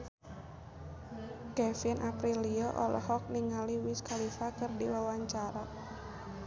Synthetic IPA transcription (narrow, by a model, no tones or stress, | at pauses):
kɛfinʔapɾiliɔʔɔ̰lʔɔ̰ɦɔk̚niŋaliwiskalifakɨrdiwawaɲt͡ʃaɾa